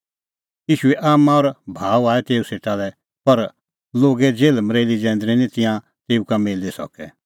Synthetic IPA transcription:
jiːʃuɛʔaːmãɔɾbʱaːuaːɛt̪eːuseːʈ̪alɛ | pɐɾ | loːɡɛd͡zeːlmɾeːlid͡ʒɛ̃ːnd̪ɾĩnĩt̪ɪ̃jã | t̪eːukameːlisɔ̰kɛ

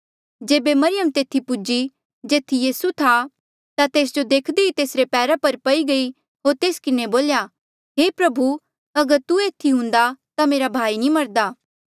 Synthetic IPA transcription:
d͡ʒeːbemɐɾɪjəmt̪eːt̪ʰipʊd͡ʒi | d͡ʒeːt̪ʰijiːsut̪ʰa | t̪at̪eːs̬d͡ʒod̪eːkʰd̪eit̪eːsɾepɛːɾapɐɾpɐiɡɐi | ɦoːɾt̪eːskɪneboːlja | ɦeːpɾɐbʱu | ɐɡəɾt̪ueːt̪ʰːiɦʊ̃nd̪at̪ameːɾabʱaːinĩmɐɾd̪aː

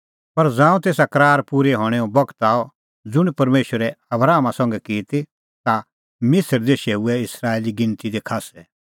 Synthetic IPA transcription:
pɐɾd͡zãːũt̪eːsakɐɾaːɾpuːɾɛɦɔːɽ̃ɛɔ̃bɐkʰə̥t̪aːɔ | d͡zʊɽ̃ipɐɾmeːʃəɾɛɐbɾaːmasɔ̃ŋɡɛkiːt̪i | t̪a | mɪsəɾd̪eʃeːuɛɪsɾaːeːliɡɪ̃nt̪id̪ekʰaːsɛ

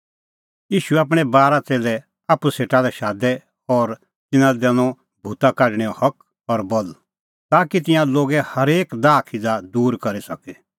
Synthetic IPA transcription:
jiːʃuɛaːp̬ɽ̃ɛbaːɾat͡seːlɛ | aːpuseːʈalɛʃaːd̪ɛ | ɔːɾ | t̪ɪnãd̪ɛnɔ̃ | bʱuːt̪akaɖɽ̃ɛɔ̃hɐk | ɔɾbɔl | t̪aːkit̪̬ɪ̃jãloːɡɛhɐɾeːkd̪aːkʰid͡zad̪uːɾkɐɾisɐkɛ

